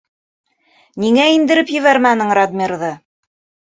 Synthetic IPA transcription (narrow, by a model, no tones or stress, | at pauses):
niŋæind̪ɘ̆ɾɘpjɘ̆βæɾmænɘɴrad̪mʲiɾðɤ